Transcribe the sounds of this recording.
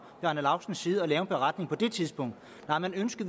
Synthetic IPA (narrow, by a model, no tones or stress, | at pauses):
b̥æɐnəlɑ̈ʊsn̩sːiːð̞̩ˠɒlɛːʊb̥e̝ʁɑ̈d̥ne̝ŋpʰɒ̽d̥e̝t͡sʰiðˠsb̥ɔ̽ŋ̰d̥ | nɑ̈ɪmænønsɡ̥əð̩